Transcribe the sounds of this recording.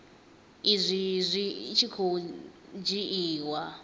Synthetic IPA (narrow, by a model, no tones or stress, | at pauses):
izʷizʷit͡ʃʰikʰod͡ʒiʔiːwa